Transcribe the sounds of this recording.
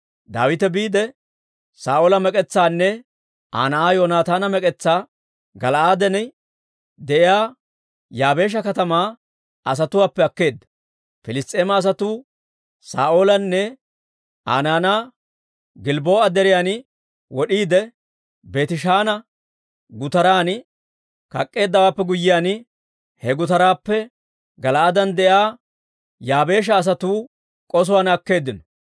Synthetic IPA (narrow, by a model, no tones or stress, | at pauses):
d̪a̰ːwɪt̪ɛbiːd̪ɛ | saːʔoːlɐmɛkʼɛt͡sːaːnːɛ | ʔa̰ːnɐʔaːjoːnaːt̪aːnɐmɛkʼɛt͡sːaː | ɡɐlʔaːd̪ɛnɛ | d̪ɛʔɪjaː | jaːbe̞ːʃ̬ɐkɐt̪ɐmaː | ɐs̬ɐt̪ʊwaːpːɛɐkːe̞ːd̪ːɐ̥ | fɪlɪst̪ʼeːmɐːs̬ɐt̪uː | sa̰ːʔo̞ːlɐnːɛ | a̰ːnaːnaː | ɡɪlbo̞ːɐd̪ɛɾɪjaːn | wɔɗiːd̪ɛ | be̞ːt̪ɪʃaːnɐ | ɡʊt̪ɐɾaːn | kɐkʼːe̞ːd̪ːɐwaːpːɛɡʊjːɪjaːn | hɛɡʊt̪ɐɾaːpːɛ | ɡɐlɐɐd̪ɐnd̪ɛʔaː | jaːbe̞ːʃ̬ɐːs̬ɐt̪uː | kʼɔs̬ʊwaːnɐkːe̞ːd̪ːɪnɔ̥